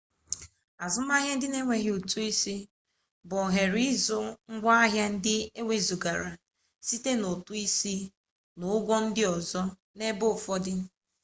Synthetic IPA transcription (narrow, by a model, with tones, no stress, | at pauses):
a˨zʊ˦m˦a˦ɦja˦dɪ˦ne˦ŋʷe˨ɣɪ˦u˨tu˦i˦si˦ | bɔ˨ɦe˨ɾi˦zʊ˦ŋ̩˦ɡʷa˦a˦ɦja˦n̩˦dɪ˦e˦ŋʷe˦zu˨ɡa˨ɾa˨ | si˦te˦no˨tu˦i˦si˦ | no˨˦ɡʷɔ˦n̩˦dɪ˦ɔ˨zɔ˦ | ne˦bo˦˨fɔ˦dɪ˦